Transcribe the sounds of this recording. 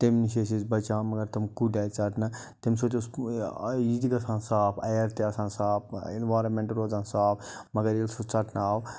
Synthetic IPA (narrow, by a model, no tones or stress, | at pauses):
t̪emniʃes̬izbɐt͡ʃaːmɐɡɐɾt̪ɐmkuɖaːjt͡sɐʈnɐ | t̪emsot͡ʃos | iːd̪iɡɐsãːnsaːpʰɐ̰jɐɾt̪eɐsãːnsaːp̚ʰenʋaːɾɐnmẽɳʈɾoːd͡zãnsaːpʰmɐɡɐɾelsut͡sɐʈnaːw